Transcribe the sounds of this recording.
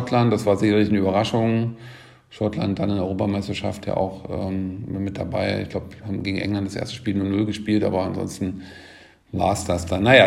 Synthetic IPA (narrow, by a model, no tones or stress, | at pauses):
ɔtʰlantd̥asv̥aːɐzɪçɐlɪçnəyːbɐʁaʃʊŋ | ʃɔtla̰nt̚d̥anɪnɔʁoːpamaɪstɐʃa̰ftʰja̰ːʔa̰ʊxʔɛːmmɪt̚d̥abaɪɪ̰çɡ̥laʊpvhaːbm̩ɡeːɡŋ̩ʔɛ̰ŋlantd̥asʔḛɐstə̥ʃpiːlnuːɐnʊlɡəʃpiːltʔa̰ːbɐanzɔ̰nstn̩ | va̰ːɐsd̥asd̥anːajaː